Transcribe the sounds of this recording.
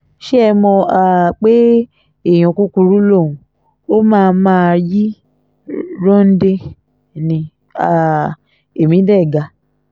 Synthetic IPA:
ʃe˦ɛ˧mɔ̃˧a˨k͡pe˦ | e˦˨j̃ɔ̃˨ku˦ku˧ɾu˦lo˦˨ũ˨ | o˦mãː˦˧mãː˦˧ji˦ | ɾɔ̃˦n̩˦de˧ | nĩ˧ | a˨ | e˨mĩ˨˦dɛ˦˨ɡa˧

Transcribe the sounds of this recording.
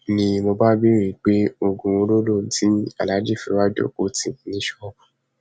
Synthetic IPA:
nĩ˧mo˧ba˦bi˦ɾĩ˦˨k͡pe˦o˧ɡũ˧o˧˦lo˦lo˦˨˦tʰi˦a̰˨la˨˦d͡ʒi˦˨fi˧˦wa˦d͡ʒo̰˦˨ko˨˦tĩ˦˨˦nĩ˨˦ʃɔ˦˨

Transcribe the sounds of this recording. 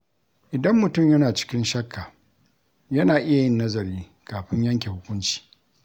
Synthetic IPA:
ʔɪ˨dɐ˦mːʊ˨tʊ˦˨mjɐ˦naː˨t͡ʃɪ̥˦kʲɪ˦nʃɐ˦kːaː˨ | jɐ˦naː˨ʔɪ˦ja˨jɪ˦nːɐ˦zɐ˨ɾiː˦ | kaː˨ɸɪ˦ɲjɐ˦ŋk̬ʲe˨hʊ˦kʷʊ˦nt͡ʃi̥ː˨

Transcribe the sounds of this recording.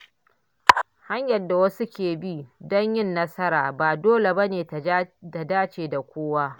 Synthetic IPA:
ha˦ɲjɐ˨dːa˨wɐ˦su˦kʲeː˨bi˦dɔ˦ɲjɪ˦nːɐ˦sɐ˦ɾaː˨baː˨doː˦le˨bɐ˦neː˨˦ta˨daː˦t͡ʃeː˨da˨kʷoː˦waː˦

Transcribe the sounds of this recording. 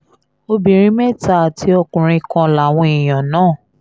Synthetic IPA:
o˧bĩ˨ɾ̃ĩ˨˦mɛ˦˨ta˦˨tʰi˧˦ɔ˧kũ˨ɾ̃ĩ˧kã˧la˨w̃ɔ̃˧i˨j̃ã˨nãː˦˨

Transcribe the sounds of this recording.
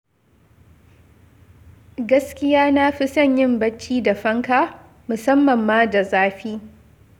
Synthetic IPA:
ɡɐ˦skʲɪ˦jaː˦na˦ɸi˦sɐ˦˨ɲjɪ˦mbɐ˦t͡ʃːiː˦da˨ɸɐ˦ŋkaː˦ | mʊ˨sɐ˦mːɐ˨mːaː˦da˨zaː˦ɸiː˦

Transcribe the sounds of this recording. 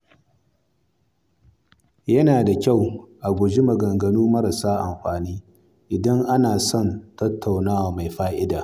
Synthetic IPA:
jɐ˦naː˨da˨kʲa˦˨wʔa˨ɡʷʊ˨d͡ʒi˦mɐ˨ɡɐ˨ŋɡɐ˨nuː˦mɐ˦ɾɐ˨saː˦ʔa˨mɸaː˨niː˦ | ʔɪ˨dɐ˦ŋʔa˦naː˨sɔ˦˨ntɐ˦tʰːa˨wnaː˦waː˨ma˨jɸaː˦ʔɪ˦daː˨

